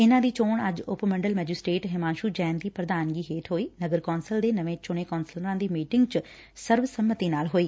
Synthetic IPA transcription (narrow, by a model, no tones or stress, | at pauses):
ɪnãːd̪iːt͡ʃoːɳəd͡ʒʊpmə̃ɳɖəlmɛːd͡ʒɪsʈɾeːʈɦɪmaːnʃuːd͡ʒɛ̃ːnd̪iːpɾəd̪aːnɡiːɦeːʈɦoːiːnəɡəɾkɔːnsəld̪eːnəʋẽːt͡ʃʊɽ̃eːkɔːnsəlɾãːd̪iːmiːʈɪŋɡt͡ʃ | səɾʋsəmːət̪iːnaːlɦoːiː